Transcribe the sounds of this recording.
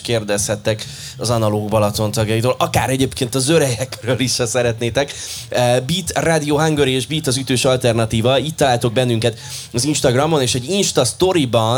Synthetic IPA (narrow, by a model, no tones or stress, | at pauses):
keːrd̪ɛshɛt̪ːɛk | ɒzɒnɒloːɡbɒlɒt̪o̞nt̪ɒɡjɒjiːt̪oːlʔɒkaːɾɛɟeːpkeːnt̪ɒzøɾɛjɛkrøːliʃɒsɛɾɛt̪neːt̪ɛk | biːt̪raːd̪ioːɦaŋɡøɾieːʒbiːt̪ɒzyt̪øːʃɒlt̪ɛrnɒt̪iːvɒitt̪ːɒlaːlt̪o̞ɡ̚bɛnːyŋkɛt̪ | ɒzinʃt̪ɒɡrɒmo̞neːʃɛɟinʃt̪ɒst̪o̞ɾibɒn